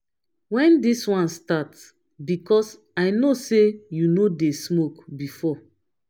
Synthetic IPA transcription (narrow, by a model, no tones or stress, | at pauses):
wɛ̃ndiswãnstats | bikɔs | ajnosejunodesmokbifɔ